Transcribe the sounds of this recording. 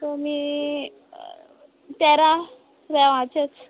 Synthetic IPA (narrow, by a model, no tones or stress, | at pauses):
t̪omiː | t̪ɛɾa | ɾɛʋãt͡ɕet͡s